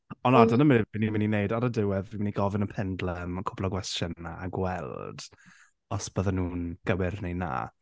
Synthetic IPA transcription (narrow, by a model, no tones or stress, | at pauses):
ɔnadənəmɪvinimɪnineɨdaɾədɪwɛðvimɪniɡɔvɪnəpʰɛndlˠəmkʰʊblˠɔɡwɛstənaaɡwɛlˠd̥ | ɔsb̥əðanuːnɡ̥əwɪrnejna̰ː